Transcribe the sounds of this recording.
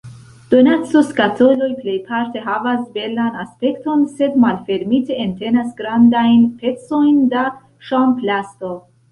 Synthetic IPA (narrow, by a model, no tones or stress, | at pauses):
d̪̥onat̪soskat̪ʰolojpʰlejpʰaɾt̪ʰeɦavazbelanaspekt̪ɔnsed̪malfeɾmit̪ʰeent̪ʰenasɡɾand̪ajnpʰet̪sojnd̪a | ʃampʰlast̪o